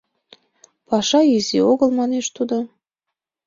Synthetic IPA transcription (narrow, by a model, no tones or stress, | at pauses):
pɑʃɑizioɣəlˠmɑneʃt̪ud̪o